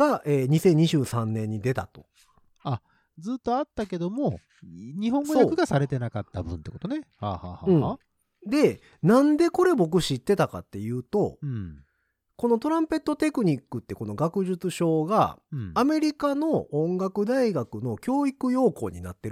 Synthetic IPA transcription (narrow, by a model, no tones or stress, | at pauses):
ɡ̥aʔeːɲ̟isẽ̞ɲ̟ːiʑɨːsãnːẽ̞ɲ̟ːid̪e̞t̪a̰t̪o̞̥ | a | d͡zɨːt̪ːo̞at̪ːake̞d̪o̞mo̞ | ɲiɦõ̞ŋɡoojaːkɯ̟ɡasaɾe̞t̪e̞nakat̪ːa̰bɯ̟̃nt̪ekot̪onehaːhaːhaɯ̟̃ɴ | d̪e̞ | nãnd̪e̞ko̞ɾe̞bo̞k̬ɯ̟ɕit̪ːe̞t̪aka̰t̪ːe̞jɯ̟ːt̪o̞ | ko̞no̞t̪o̞ɾãmpe̞t̪ːo̞t̪e̞kɯ̟ɲ̟ikːɯ̟t̪ːe̞ko̞no̞ɡakɯ̟ʑɨt͡sɨɕo̞ːɡa̰ːme̞ɾʲikano̞õŋɡakɯ̟d̪aiɡakɯ̟no̞kʲo̞ːikɯ̟jo̞ːko̞̰ːɲ̟ina̰t̪ːeɾ